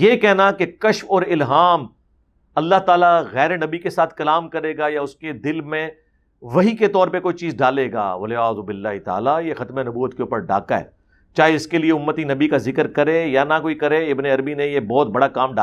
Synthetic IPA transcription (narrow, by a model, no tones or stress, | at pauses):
jekɛɦnakekɐʃfɔːɾɪlɦaːm | ɐlːaɦt̪aːlaɣɛːɾenɐbikesaːt̪ʰkɐlaːmkɐɾeːɡajaʊsked̪ɪlmẽ | ʋɐɦiket̪ɔːɾpekoːit͡ʃiːzɖaːleːɡa̰ːʋɐlɪaːzubɪlːaːɦit̪a̰ːlajexɐt̪menɐbuːət̪keuːpəɾɖa̰ːkaɦɛ̰ː | t͡ʃaːɦeɪskelieʊmːət̪inɐbikazɪkəɾkɐɾẽjanakoːikɐɾẽɪbneɐɾbinẽjebɔːt̪̚bɐɽakaːmɖaː